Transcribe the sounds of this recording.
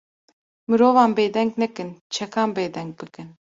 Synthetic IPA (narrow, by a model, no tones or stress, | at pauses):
mɨɾoːvɑːnbeːd̪ɛŋɡnɛkɨnt͡ʃʰɛkʰɑːnbeːd̪ɛŋɡ̚bɨkɨn